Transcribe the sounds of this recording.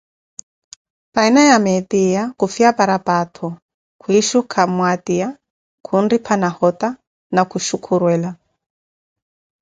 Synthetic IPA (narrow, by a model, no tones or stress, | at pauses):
painajamɛtijakufiapaɾapʼatʰɔ | kʰuiʃukʰamwatija | kʰunripʰanahɔta | nakuʃukʰuɾwɛːla